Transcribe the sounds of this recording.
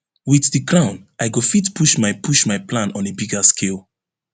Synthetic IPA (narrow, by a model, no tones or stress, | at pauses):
wiθdikɹãʊ̃naɪɡofitpʰuʃmaɪpʰuʃmaɪplãnɔ̃nebiɡaskʰelˠ